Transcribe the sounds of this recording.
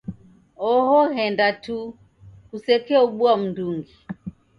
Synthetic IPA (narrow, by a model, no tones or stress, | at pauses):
ɔhɔhɛndatu | kusɛkɛuɓuam̩nduŋɡi